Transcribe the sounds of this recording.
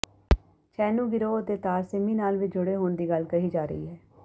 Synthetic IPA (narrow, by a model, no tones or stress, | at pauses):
t͡ʃʰɛːnũːɡɪɾoːət̪eːt̪aːsɪmiːnaːlʋɪt͡ʃd͡ʒʊɽeːɦoːnd̪iːɡəlkəɦiːd͡ʒaːɾə̰ḭːɦɛː